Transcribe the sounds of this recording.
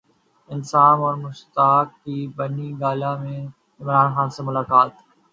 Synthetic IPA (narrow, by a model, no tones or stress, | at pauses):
ɪnsaːnɔːɾmʊʃt̪aːkːiːbɐniɡaːlamẽ | ɪmɾaːnxaːnseːmʊlaːkaːt̪